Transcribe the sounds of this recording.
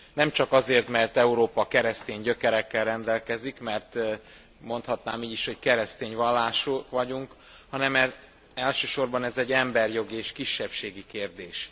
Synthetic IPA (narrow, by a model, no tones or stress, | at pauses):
nɛmt͡ʃɒkɒzeːrt̪mɛrt̪ɛuɾoːpɒkɛɾɛst̪eːɲɟø̞kɛɾɛkːɛlrɛnd̪ɛlkɛzikmɛrt̪ | mo̞nt̪hɒt̪naːmiːɟiʃho̞ckɛɾɛst̪eːɲvɒlːaːʃukʋɒɟuŋk | hɒnɛmːɛrt̪ | ɛlʃøːʃo̞rbɒnɛzɛɟɛmbɛrjo̞ɡieʃkiʃːɛpʃeːɡikeːrd̪eːʃ